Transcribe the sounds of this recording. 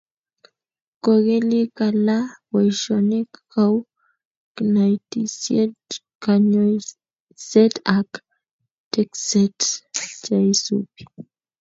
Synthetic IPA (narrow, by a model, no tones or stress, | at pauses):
koɣelikalawojʃonikkaw | knajt̪isjet | kaɲoj | set̪ak | t̪ekset̪t͡ʃajisṵpi̥